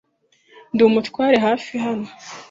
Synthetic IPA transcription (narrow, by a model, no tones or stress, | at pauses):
nduːmutwaːɾeɦaːfiɦano